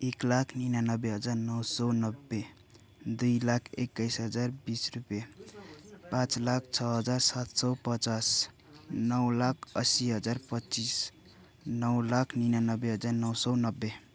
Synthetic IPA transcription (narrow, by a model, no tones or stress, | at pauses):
eklakʰninanʌbeɦʌd͡zaɾnʌwsɔnʌbːe | d̪ujlakʰḛkːəjsɦʌd͡zaɾbisrupje | pãt͡slak̚ʰt͡ʃʰʌɦʌd͡zaɾsat̪sɔpʌt͡ʃas | nʌwlakʰʌsiɦʌd͡zaɾpʌt͡ʃis | nʌwlakʰninanʌbːeɦʌd͡zaɾnʌwsɔnʌbːe